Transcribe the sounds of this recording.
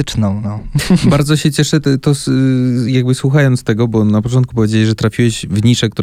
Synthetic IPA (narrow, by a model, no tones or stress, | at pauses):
t͡ʂnɔ̃w̃nɔbaɾd̪zɔɕɛt͡ɕɛʂɛt̪ɔsjaɡ̚bɘswuxajɔnt̪st̪ɛɡɔbɔnapɔt͡ʂɔnt̪̚kupɔvʲjed͡ʑelʲiʐɛt̪ɾafʲiwɛʑvɲiʂɛkt̪u